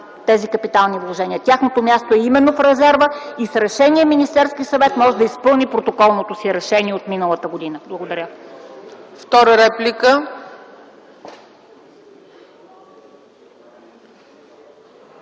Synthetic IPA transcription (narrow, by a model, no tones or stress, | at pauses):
t̪ɛzikəpit̪alˠnivlˠoʒɛnʲiət̪ʲaxnot̪omʲjast̪oɛimɛnːofɾɛzɛɾvəisɾɛʃɛniɛminist̪ɛɾskisɐvɛt̪mɔʒɛd̪ɐispɤlˠnipɾot̪okɔlˠnot̪osiɾɛʃɛniɛot̪minəlˠət̪əɡod̪inəblˠɐɡod̪ɐɾʲə | ft̪ɔɾəɾɛplʲikə